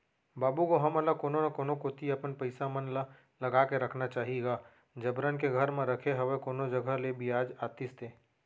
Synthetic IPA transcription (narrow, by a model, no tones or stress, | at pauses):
baːbukoɦɐmɐlakoːnonakoːnokoːt̪iɐpənpɐɪsamənla | lɐɡaːkeɾɐkʰnat͡ʃaːɦieɡaː | d͡ʒɐbɾənkeɡʱɐɾmẽɾɐkʰeɦɐʋekoːnod͡ʒɐɡʱalebijaːd͡ʒaːt̪ɪst̪eː